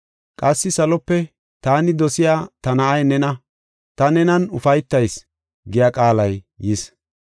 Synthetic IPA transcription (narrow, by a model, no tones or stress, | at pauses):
kʼɐsːɪsɐlɔpːɛ | t̪aːnɪd̪ɔsɪjaːt̪ɐnɐʔɐjnɛnɐ | t̪ɐnɛnɐnʊfɐjt̪ːɐjs | ɡɪjakʼaːlɐj | jɪs